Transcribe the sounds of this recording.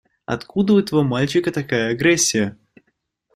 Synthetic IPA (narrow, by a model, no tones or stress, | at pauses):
ɐ̰t̪kud̪əʊɛt̪əvomalʲt͡ɕɪkət̪ɐkajəɐɡɾɛsʲːɪjə